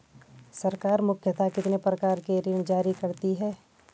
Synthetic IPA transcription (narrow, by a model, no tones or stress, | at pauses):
sɐɾkaːɾmʊkʰjət̪akɪt̪nepɾɐkaːɾkeɾɪñd͡ʒaːɾikɐɾt̪iɦɛː